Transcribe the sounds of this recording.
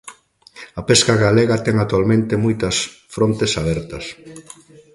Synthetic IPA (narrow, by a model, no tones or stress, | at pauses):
ɐpeskaɣaleɣɐt̪ɛŋak̚t̪ualmẽnt̪emojt̪ɐsfɾont̪esaβɛɾt̪ɐs